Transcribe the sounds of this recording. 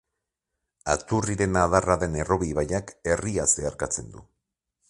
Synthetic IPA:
at̪uriɾe̞naðaraðe̞ne̞ro̞βiβajake̞riast̪eaɾkat͡se̞nd̪ṵ

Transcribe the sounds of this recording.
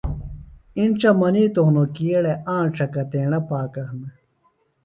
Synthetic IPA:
inʈ͡ʂɐmɐniːt̪oɦnokijeɽeʔãːɳʈ͡ʂɐkɐt̪eːɳɐpaːkɐhnɐ

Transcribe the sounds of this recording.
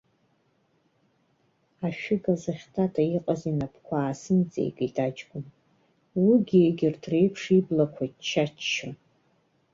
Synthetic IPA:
aʃᶣɪɡazaχʲtʰʼatʰʼaiqʼazinapʰkʷʰaːsɨnt͡sʼḛjkʼitʼad͡ʒɡʷʊm | wiɡʲieɡʲɪrdʰre̞jpʰʂiblakʷʰaitt͡ʃʰat͡ʃt͡ʃːon

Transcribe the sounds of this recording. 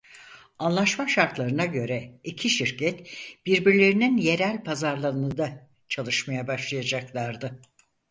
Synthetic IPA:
anlˠaʃmaʃaɾt̪lˠaɾɯnaɟø̞ɾɛicʰiʃiɾcʰɛt̪b̥iɾbiɾlʲe̞ɾininje̞ɾælʲpʰazaɾlˠaɯnɯd̪a | t͡ʃʰalˠɯʃmajabaʃlˠajad͡ʒaklˠaɾd̪ɯ

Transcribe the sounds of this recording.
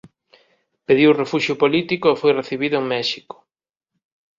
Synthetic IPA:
peðiwrefuʃjʊpolit̪ikʊefojreθiβiðʊeŋmɛʃikʊ̥

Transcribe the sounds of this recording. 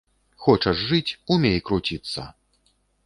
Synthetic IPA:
xɔt͡ʂɐʂʐɨt͡sʲumʲejkɾut͡sʲit̪sːɐ̰

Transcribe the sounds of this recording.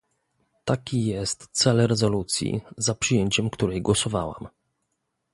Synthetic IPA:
t̪akʲijɛst̪t̪sɛlɾɛzɔlut̪sʲjḭzapʂɨjeɲt͡ɕɛmkt̪uɾɛjɡwɔsɔva̰wa̰m

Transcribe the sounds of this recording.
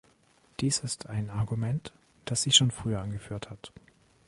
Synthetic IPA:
d̥iːsɪstʰaɪnaɐɡumɛnt | d̥asz̥ɪçʃoːnfʁ̥yːɐanɡəfyːɐthat

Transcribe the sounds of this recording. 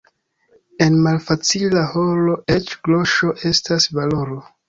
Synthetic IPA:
e̞nmalfat͡silaho̞lo̞ʔe̞t͡ʃɡlo̞ʃo̞ʔe̞stasvalo̞ɾo̞

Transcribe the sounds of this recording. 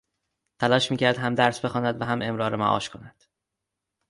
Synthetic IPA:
t̪ʰælɒːʃmiːcʰæɾd̪ɦæmd̪æɾsbe̞xɒːnæd̪væɦæmʔe̞mɾɒːɾemæ̰ʔɒ̰ːʃkʰo̞næd̪̥

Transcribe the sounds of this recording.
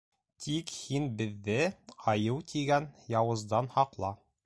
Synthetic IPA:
t̪ikhinbɘ̆ðːɘɒjɤwt̪ʰiɡænjɑwɤ̆zd̪ɑnhɒqlˠɑ

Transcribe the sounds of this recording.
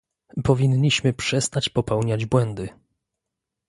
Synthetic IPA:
pɔvʲiɲːiɕmɘpʂɛst̪at͡ɕpɔpɛwɲad͡ʑbwɛnd̪ɘ

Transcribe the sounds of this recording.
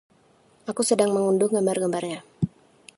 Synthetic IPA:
ʔakusədaŋməŋundʊŋɡəmbarɡəmbarɲa

